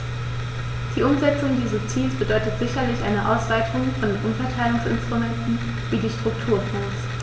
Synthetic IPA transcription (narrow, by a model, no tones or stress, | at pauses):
d̥iːʔʊmzɛt͡sʊŋdiːzɐst͡siːlsb̥ədɔʏtətz̥ɪçɐlɪçʔa̰ɪnəʔa̰ʊsv̥aɪtʰʊŋfɔndenʔʊnfɐtʰaɪlʊŋsɪ̰nstʁ̥umɛntn̩ | viːdiːʃtʁ̥ʊktʰuːɐfɛːns